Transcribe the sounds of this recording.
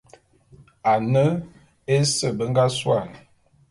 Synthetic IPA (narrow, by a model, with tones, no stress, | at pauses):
a˨nə˦ | e˦sə˦˨bə˦ŋ˦ɡa˦swa˦˨n